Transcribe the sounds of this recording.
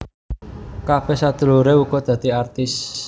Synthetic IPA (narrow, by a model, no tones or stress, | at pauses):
kafɛsad̪̥ṳluɾeuɡɔd̪̥ä̤d̪̥iart̪ɪs